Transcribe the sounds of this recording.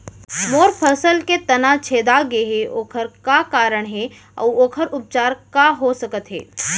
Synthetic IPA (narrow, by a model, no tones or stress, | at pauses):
moːɾpʰəsəlket̪ɐnat͡ʃʰeːd̪aɡeɦeʔoːkʰəɾkakaːɾəɽ̃ɦe | ɔ̰ːoːkʰəɾʊp̚t͡ʃaːɾkaɦosəkət̪ɦḛː